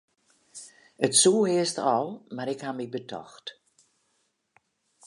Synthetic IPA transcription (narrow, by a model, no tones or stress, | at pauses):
ətsuːhɪəstɔlˠmaɾɪkhamibətʰɔ̰xt